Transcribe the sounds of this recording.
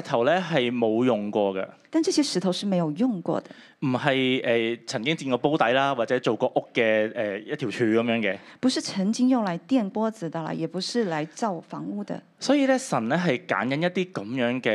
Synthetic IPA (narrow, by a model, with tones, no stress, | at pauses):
t̪ʰɐ˨˩wlɛː˥ɦɐ˨jmo˨˧wjʊ˨ŋkʷɔː˧ɡɐ̰˧t̪a˥˧nʈ͡ʂɤ˥˩ɕjɛ˥ʂɻ̩˧˥t̪ʰo˧ʊʂɻ̩˥˩me˧˥ɪjo˨˩ʊjʊ˥˧ŋkwɔ̰˥˩d̪ə̰˩ | m̩˨˩hɐ˨jʔɛː˨˧t͡sʰɐ˨˩nkɪ˥ŋt͡siː˧nkɔː˧po˥wt̪ɐ˨˥jlaː˥waː˨t̚t͡sɛː˨˥t͡so˨wkɔː˧ʔʊ˥kːɛː˧ɛː˨˩jɐ˥t̪̚ʰi˨˩t͡ʃʰyː˧kɐ˨˧mjœː˨˧˥ŋkɛː˧pu˨˥ʂɻ̩˥˩t͡sʰə˧˥ŋt͡ɕi˥ŋjʊ˥˩ŋla˧˥ɪt̪jɛ˥˩npwɔ˥t͡sɹ̩˨˩d̪ə˧la̰˧˩jɛ˨˩pu˧˥ʂɻ̩˥˩la˧˥ɪt͡sɑ˥˩ʊfɑ˧˥ŋu˥˩d̪ə̰˩ | sɔː˨˥jiː˧lɛ˥sɐ˨˩nlɛː˥ɦɐ˨jka̰ː˨˥nkɐ˨˥njɐ˥t̚t̪iː˥kɐ˨˥mjœː˨˥ŋkɛː˧